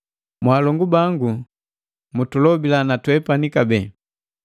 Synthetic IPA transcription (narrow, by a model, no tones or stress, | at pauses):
mwaːlɔŋɡubaŋɡu | mutulɔbilanatwɛpanikabɛ